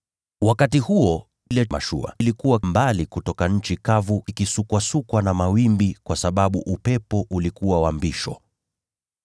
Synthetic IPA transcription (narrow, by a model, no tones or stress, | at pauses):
wakatihuɔ | lɛma̰ʃṵa̰ilikuwambalikutɔkaɲ̩t͡ʃikavuʔikisukwasukwanamawimbikwasaɓaɓuʔupɛpɔʔulikuwawambiʃɔ̰